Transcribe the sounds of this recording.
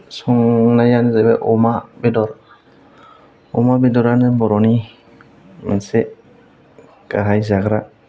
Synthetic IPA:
sɔŋnajanzɛbɛʔɔmabedɔɾ | ɔmabidɔɾanɯbɔɾɔni | manse | kaɦajzaɡɾa

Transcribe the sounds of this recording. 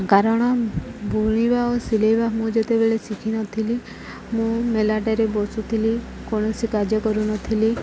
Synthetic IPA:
ɡʱaɾaɽ̃abuɳ̃iʋaosileʋamũd͡ʒet̪ebeɭesikʰinɔt̪ʰili | mũmelaʈeɾebɔsut̪ʰili | koɳ̃ɔsikad͡ʒjəkɔɾunɔt̪ʰili

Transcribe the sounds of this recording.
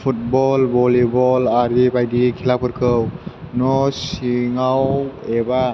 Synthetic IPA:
pʰut̚bɔlbɔlibɔlaɾibajdikʰilapʰɯɾkʰɯwnɔsiŋaweba

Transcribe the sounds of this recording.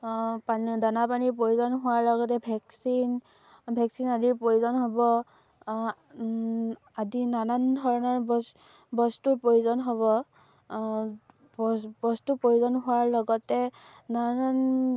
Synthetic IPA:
pandanapaniɹpojuzɔnɦʊwaɹlɔɡɔtɛbʱɛksin | bʱɛksinadiɹpɹojuzɔnɦobɔ | adinanandʱɔɹɔnɔɹb | bɔstupɹojuzɔnɦobɔ | bɔstupɹojuzɔnɦʊwaɹlɔɡɔtɛ | naan

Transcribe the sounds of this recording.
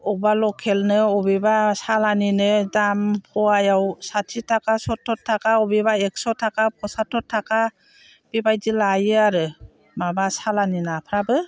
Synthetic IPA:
ɔbalɔkʰelnɯɔbebasalaninɯdampʰɔajawsatʰitʰakasɔtʰːɔtʰːakaɔbibaek̚sɔtʰakap̚ʰɔsatʰːɔtʰːaka | b̥ibajdilajɯaɾɯ | mabasalaninapʰɾabɯ

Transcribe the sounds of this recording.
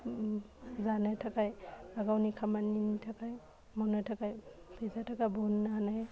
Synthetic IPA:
zanɯtʰakajaɡawnikʰamaninitʰakaj | mɔnɯtʰakaj | sʰezatʰakajbonːana

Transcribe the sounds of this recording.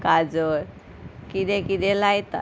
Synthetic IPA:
kad͡zɔɾ | kid̪ɛkid̪ɛlajt̪a̰

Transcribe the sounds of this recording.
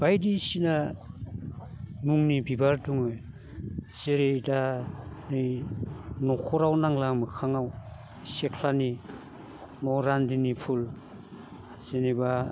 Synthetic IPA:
b̥ajdisina | muŋnibibaɾduŋɯj | z̥eɾedanɯj | nɔkʰɔɾawnaŋlamɯkʰaŋaw | sekʰlani | nɔɾandinipʰul | z̥eniba

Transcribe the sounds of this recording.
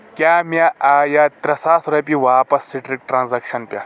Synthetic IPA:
kʲjaːmʲaʔaːjaːt̪ɾɐsaːsɾɐpiʋaːpɐsːiʈɾik̚ʈɾaːnzɐkʃɐnpʲjaː

